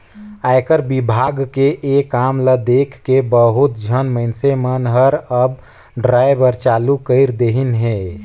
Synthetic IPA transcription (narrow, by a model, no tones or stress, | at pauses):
ajkəɾbibʱaɡkeʔekamləd̪ekʰːebəɦut̪̚d͡ʒʱənməɪnsemənɦəɾəb | ɖɾajbəɾt͡ʃalukəɪɾd̪eɦinɦẽ